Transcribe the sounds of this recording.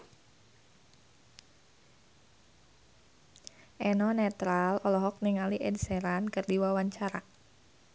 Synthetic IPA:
ʔɛnɔnɛt̪ɾalɔlɔɦɔk̚niŋaliʔɛdsɛɾankɨrdiwawaɲt͡ʃaɾa

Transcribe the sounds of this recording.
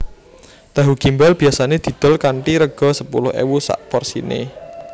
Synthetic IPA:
d̪̥a̤ɦuɡ̥imbɛlb̥i̤jasaned̪̥i̤d̪̥ɔ̤lkaɳʈiɾəɡ̥ɔ̤səpulʊhḛwusa̰ʔpɔrsḭnḛ

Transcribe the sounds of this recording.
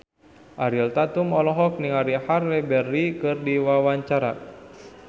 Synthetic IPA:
ʔaɾilt̪at̪umɔlɔɦɔk̚niŋaɾiharlɛbɛrːikɨrdiwawaɲt͡ʃaɾa

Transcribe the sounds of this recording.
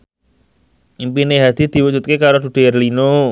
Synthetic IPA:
impineɦad̪̥i̤d̪̥i̤wu̥d͡ʒṳt̪̚kekaɾod̪̥ṳd̥e̤rlino

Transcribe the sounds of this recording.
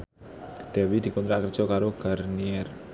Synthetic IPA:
d̪̥ɛwid̪̥i̤kɔnt̪ɾakərd̥ʒ̥ɔ̤kaɾoɡ̥arniɛr

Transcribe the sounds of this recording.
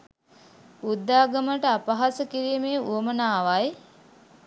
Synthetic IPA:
ud̪ːaːɡəməʈəapaɦasəkiɾiːmeːuəmənaːʋaj

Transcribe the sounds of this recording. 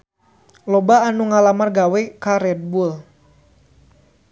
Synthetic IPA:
lɔbaːnuŋalamarɡawɛkaɾɛd̪̚bul

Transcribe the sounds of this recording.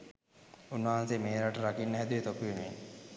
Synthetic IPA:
unːaɦansemeːɾaʈəɾakinːəɦæd̪uʋet̪okuʋenue

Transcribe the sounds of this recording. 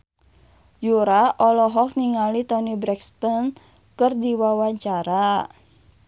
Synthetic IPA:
juɾaʔɔlɔɦɔk̚niŋalit̪ɔnibɾɛkst̪ɔn | kɨrdiwawaɲt͡ʃaɾa

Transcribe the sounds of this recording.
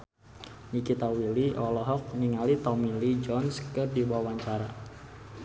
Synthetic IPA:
nikit̪awiliʔɔlɔɦɔk̚niŋalit̪ɔmilid͡ʒɔnskɨrdibawaɲt͡ʃaɾa

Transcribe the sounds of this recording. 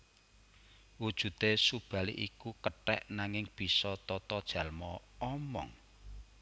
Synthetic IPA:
wud̥ʒ̥ṳt̪esub̥a̤lḭʔikukəʈɛ̰ʔnaŋɪŋb̥i̤sɔt̪ɔt̪ɔd̥ʒ̥ä̤lmɔɔmɔ̰ŋ

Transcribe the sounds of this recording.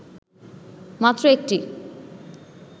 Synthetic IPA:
mat̪ːɾoek̚ʈi

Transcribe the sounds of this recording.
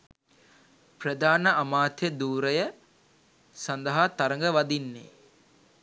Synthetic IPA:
prəd̪aːnəʔamaːt̪jəd̪uːɾəjə | sand̪əɦat̪aɾəŋɡəʋad̪inːḛː

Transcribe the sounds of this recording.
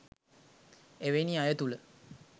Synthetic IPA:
eʋeniajət̪ulə

